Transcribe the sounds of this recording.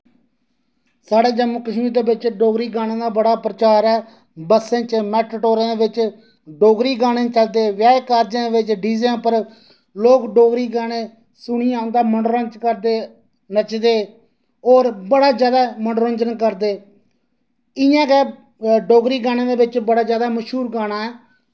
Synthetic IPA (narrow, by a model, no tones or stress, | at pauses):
saːɽeːd͡ʒəmkəʃmĩːd̪eːbɪt͡ʃɖoːɡɾiːɡaːñẽːd̪aːbəɽaːpɾət͡ʃaːɾɛː | bəsẽːt͡ʃmɛːʈʈoːɾãːd̪eːʋɪt͡ʃ | ɖoːɡɾiːɡaːɽ̃ẽːt͡ʃəld̪eːʋjaːkaːɾd͡ʒãːeːʋɪt͡ʃɖiːz̃pəɾ | loːkɖoːɡɾiːɡaːɽ̃ẽː | sʊɽiːãːnd̪aːməɳɖɾə̃ːt͡ʃkəɾd̪eː | nət͡ʃd̪eː | ɔːɾbəɽaːd͡ʒjaːd̪aːməɳɖɾə̃nd͡ʒənkəɾd̪eː | ɪjãːkɛː | ɖoːɡɾiːɡaːɽ̃ẽːd̪eːʋɪt͡ʃbəɽaːd͡ʒjaːd̪aːməʃɦuːɾɡaːɽ̃aːɛː